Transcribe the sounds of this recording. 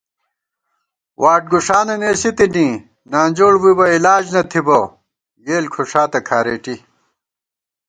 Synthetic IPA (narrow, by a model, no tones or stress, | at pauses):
wʔaːʈ̚ɡuʂaːnɐneːsit̪ini | naːnʲd͡ʑoːɽwibɐilaːd͡ʑnɐt̪ʰibɐ | ɡeːlkʰuʂaːt̪ɐkʰaːɾeːʈi